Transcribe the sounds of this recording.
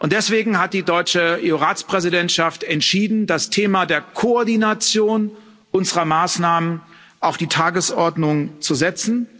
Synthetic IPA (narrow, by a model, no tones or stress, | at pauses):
ʔʊntd̥ɛsv̥eːɡŋ̩ɦat̚d̥iːdɔʏt͡ʃəeoʁaːt͡spʁ̥ɛzidɛntʃaftɛntʃiːdn̩dastʰeːmadeːɐkʰoɔɐdinat͡sjoːn | ʔʊnzəʁɐmaːsnaːmən | ʔaʊxd̥iːtʰaːɡəsʔɔɐdnʊŋt͡suzɛt͡sn̩